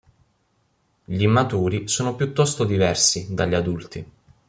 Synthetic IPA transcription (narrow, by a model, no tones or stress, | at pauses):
ʎimːat̪uːɾisoːnopjut̪ːɔst̪od̪ivɛrsid̪aʎːad̪ult̪i